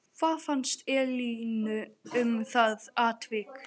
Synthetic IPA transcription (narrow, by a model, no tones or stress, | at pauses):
kʰvaːðfanst̪ɛːliːnʏʏmθaðaːt̪vɪk